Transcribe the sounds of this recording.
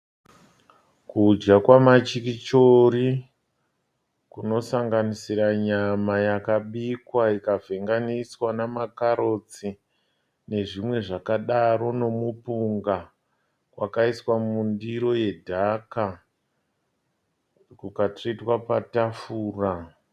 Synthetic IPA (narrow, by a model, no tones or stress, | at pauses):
kud͡ʒɡakwamat͡ʃikit͡ʃoɾi | kuno̞saŋɡanisiɾaɲamajakaɓikwaikavʱe̞ŋɡaniswanamakaɾo̞t͡si | ne̞ʐimwe̞ʐakaɗaɾo̞no̞mupuŋɡa | wakaiswamundiɾo̞je̞dʱaka | kukatritwapatafuːra